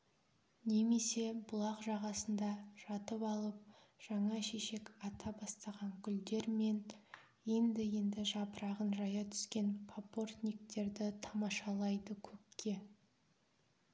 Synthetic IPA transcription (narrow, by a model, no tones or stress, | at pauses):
ne̞me̞se̞bʊlˠɑqʒɑʁɑsənd̪ɑʒɑt̪əpɑlˠəp̚ | ʒ̥ɑɴɑʃe̞ʃe̞kɑt̪ʰɑbɑst̪ɑʁɑŋkʲʰʏld̪e̞ɾme̞n | je̞nd̪ɪje̞nd̪ɪʒɑpəɾɑʁənʒɑjɑt̪ʰʏ̥skʲe̞npʰopo̞rt̪nʲik̚t̪e̞ɾd̪ɪt̪ʰɑmɑʃɑlˠɑjd̪əkʲʰɵp̚kʲʰe̞